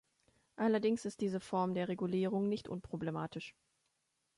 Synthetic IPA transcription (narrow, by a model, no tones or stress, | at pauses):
ʔalɐdɪŋsɪst̚d̥iːzəfɔɐmdeːɐʁeɡuliːʁ̞ʊŋnɪçtʔʊ̰npʁ̥oblemaːtʰɪʃ